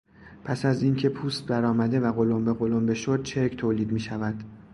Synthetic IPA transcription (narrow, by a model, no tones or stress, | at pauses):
pʰæsæzincʰe̞pʰuːst̪̚bæɾɒːmæd̪e̞væɣo̞lombe̞ɣo̞lombe̞ʃod̪̚t͡ʃʰe̞ɾkʰt̪ʰoːliːd̪miːʃævæd̪̥